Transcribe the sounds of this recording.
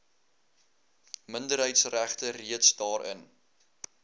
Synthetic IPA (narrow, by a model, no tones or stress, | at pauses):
məndəɾɦəjtsræχtəriətsdɑːɾə̰n